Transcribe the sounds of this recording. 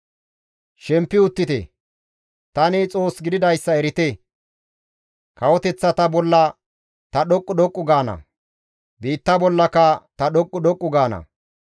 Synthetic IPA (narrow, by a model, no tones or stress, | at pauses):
ʃɛmpːɪʊt̪ːɪt̪ɛ̰ | t̪ɐnɪt͡sʼo̞ːsɡɪd̪ɪd̪ɐjsːɐɛɾɪt̪ɛ | kɐwɔt̪ɛt͡sːɐt̪ɐbɔlːɐ | t̪ɐɗɔkʼːʊɗ̪ɔkʼːʊɡaːnɐ̰ | biːt̪ːɐbɔlːɐkɐt̪ɐɗɔkʼːʊɗ̪ɔkʼːʊɡaːnɐ̰